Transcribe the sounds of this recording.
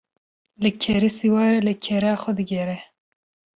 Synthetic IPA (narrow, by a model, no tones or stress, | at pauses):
lɨkʰɛɾisiwɑːɾɛlɨkʰɛɾɑːxɛd̪ɨɡɛɾɛ